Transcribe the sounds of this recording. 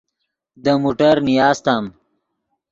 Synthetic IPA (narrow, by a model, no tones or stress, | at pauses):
d̪əmuːʈɐɾnijaːst̪aːm